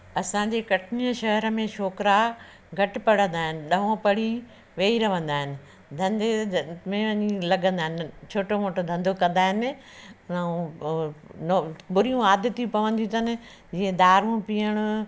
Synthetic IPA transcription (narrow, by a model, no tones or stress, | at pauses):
ɐsãːd͡ʑeːkɐʈʰnijəʃɐɦəɾəmẽʃoːkɾa | ɡʱɐʈɪ̆pɐɽ̤ə̃nd̪aːɦɪnɪ̆ɗɐɦõpɐɽ̤i | ʋeːiɾɐʋə̃nd̪aːɦɪnɪ̆ | d̪ʱɐ̃nd̪emẽʋɐɲilɐɠə̃nd̪aːɦɪnɪt͡ɕʰoːʈomoːʈod̪ʱɐ̃nd̪ʱokɐ̃nd̪aːɦɪnɪ̆ | nbʊɾijũaːd̪ɪt̪ijũpɐʋə̃nd̪ĩt̪ʰɐnɪ̆ | d͡ʑiːə̃d̪aːɾũpijəɽ̃ʊ